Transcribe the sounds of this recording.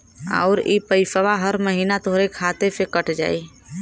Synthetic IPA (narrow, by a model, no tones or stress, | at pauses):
a̰ʊɾiːpəɪsəʋaɦəɾməɦiːnat̪oɦɾekʰaːt̪epʰekəʈd͡ʒa̰ːiː